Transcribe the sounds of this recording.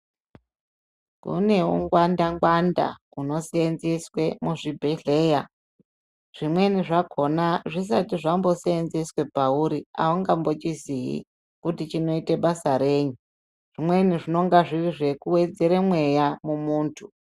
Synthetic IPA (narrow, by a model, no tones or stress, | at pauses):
kṵne̞uŋɡwandaŋɡwanda̰ | uno̞seenzeswe̞muʐibʱeɮe̞ːja | ʐ̥imwe̞niʐakʰo̞naʐis̬atiʐambo̞seenzeswe̞pauɾia̰uŋɡambo̞t͡ʃiziɦḭ | kutit͡ʃino̞iteɓasaɾe̞ːɲu | ʐ̥imwe̞niʐino̞ŋɡaʐiʋiʐe̞kuwe̞d͡ze̞ɾemwe̞jamumuːntʰu